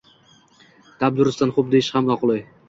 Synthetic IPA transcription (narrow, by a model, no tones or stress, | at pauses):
t̪ʰab̚d̪ʊɾɪst̪anχʊp̚d̪ejɪʃhamɒqlˠɪj